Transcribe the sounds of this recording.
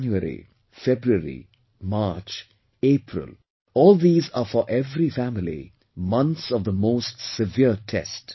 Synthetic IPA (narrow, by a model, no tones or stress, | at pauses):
njuəɾḭ | febɾuəɾḭ | maɾt͡ʃ | eːpʰɾɪ̰l | ɔːld̪iːzaːfɔɾʔeʋɾifæmɪlḭ | mʌ̃nt̪sɔʋd̪əmoːsʈsɪʋiəɾʈʰɛ̰sʈ